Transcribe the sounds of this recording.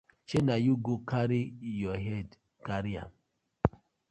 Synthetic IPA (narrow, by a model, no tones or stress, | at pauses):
t͡ʃenajuɡokaɾijɔɦɛd | kaɾia̰m